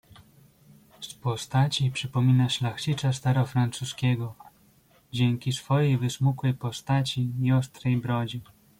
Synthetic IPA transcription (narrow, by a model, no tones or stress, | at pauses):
spɔst̪at͡ɕipʂɘpɔmʲinaʂlaxt͡ɕit͡ʂast̪aɾɔfɾant̪suskʲɛɡɔ | d͡ʑɛŋkʲisfɔjejvɘsmukwɛjpɔst̪at͡ɕijɔst̪ɾɛjbɾɔd͡ʑi